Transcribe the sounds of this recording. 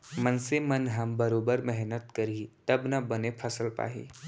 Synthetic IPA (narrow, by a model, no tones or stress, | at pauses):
mɐnsemɐnɦɐmbɐɾoːbəɾmɛɦnət̪kɐɾit̪ɐbnɐbɐnepʰɐsəlpa̰ːɦḭː